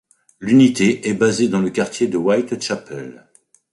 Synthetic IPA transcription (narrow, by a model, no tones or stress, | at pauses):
lynit̪eʔɛbazed̪ɑ̃ləkaʁt̪jed̪əwajt̪ʃapɛ̰l